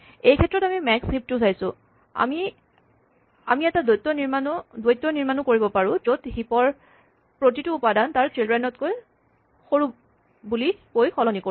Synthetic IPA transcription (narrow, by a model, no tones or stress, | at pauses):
ejkʰɛtːɹɔtamimɛkship̚tusajsʊ | a̰mi | a̰miɛtadojtːɔniɹmanɔdojtːɔniɹmanʊkoɹibɔpaɹʊ̃zothipɔɹ | pɹotituːpadantaɹtɹilɹɛnɔtkoj | xoɹup̚ | bulikojxʰɔlɔniko